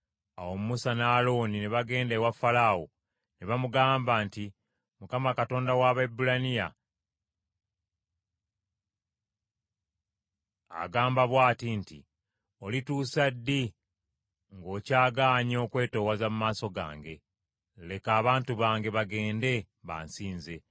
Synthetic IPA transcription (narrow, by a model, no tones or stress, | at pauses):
awo̞mumusanaːlo̞nineβaɡe̞ːndewafalawo | neβamuɡaːmbanti | mukamakato̞ːndawaβaebːulanija̰ | ɡaːmbaβwaːtinti | o̞lituːsadːi | ŋɡo̞ːcaːɡaːɲo̞ːkwe̞ːto̞ːwazamumaːso̞ɡa̰ːŋɡe̞ | le̞kaːβaːntuβaːŋɡe̞βaɡe̞ːnde̞ | βa̰ːnsiːnze̞